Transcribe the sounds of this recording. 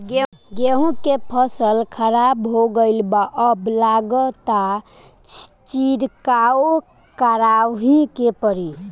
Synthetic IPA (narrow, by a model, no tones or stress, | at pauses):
ɡeɡeɦũkepʰəsəlkʰəɾabɦoɡəɪlbaʔəblaɡət̪a | t͡ʃiɾkao | kəɾawɦĩkepəɾi